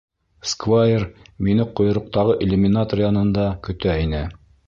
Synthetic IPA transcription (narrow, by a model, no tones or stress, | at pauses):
skvajerminɘqŏj̆ɾŏq̚t̪ɑʁɤʔelʲumʲinat̪orjɑnɤ̆nd̪ɑkɵ̆t̪æinɘ